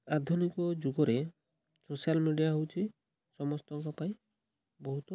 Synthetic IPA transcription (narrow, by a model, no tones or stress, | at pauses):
ad̪ʱunikɔd͡ʒuɡɔɾe | sosialmiɖijaɦowt͡ʃʰi | sɔmɔst̪ɔŋkɔpaĩ | bɔɦut̪ɔ